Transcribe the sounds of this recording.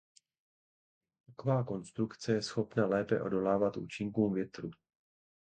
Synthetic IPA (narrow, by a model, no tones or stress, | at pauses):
t̪akovaːko̞nst̪ɾukt͡sɛjɛsxo̞pnalɛːpɛʔo̞̰do̞laːvat̪ʔṵːt͡ʃɪŋkuːmvjɛt̪ɾu